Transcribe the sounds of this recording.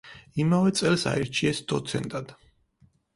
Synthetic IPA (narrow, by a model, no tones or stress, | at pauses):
imavɛt̪sʼɛlsa̰iɾt͡ʃʰiɛsd̪̥ɔt̪sʰɛ̰nt̪ʼad̪̥